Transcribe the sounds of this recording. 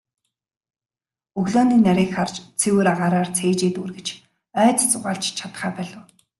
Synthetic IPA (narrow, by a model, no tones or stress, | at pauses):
ɵɣɮɔːniːnaɾʲiːkχart͡ɕt͡sʰewuːɾaʁaːɾaːrt͡sʰeːt͡ɕeːt̪uːrɣɘ̆t͡ɕ | œːt͡s̪t͡sʊʁaːɮɬt͡ɕt͡ɕʰat̪χæːpœɮʊ̆ː